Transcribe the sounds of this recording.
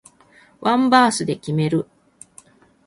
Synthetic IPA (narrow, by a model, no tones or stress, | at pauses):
βʔãmbaːsɨd̪e̞kʲime̞ɾɯ̟